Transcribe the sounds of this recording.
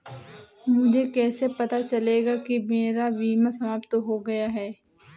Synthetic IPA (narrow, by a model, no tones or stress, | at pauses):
mʊd͡ʒʱekɛːsepɐt̪at͡ʃɐleːɡakimeːɾaʋiːmasɐmaːpt̪ɦoɡɐjaɦɛː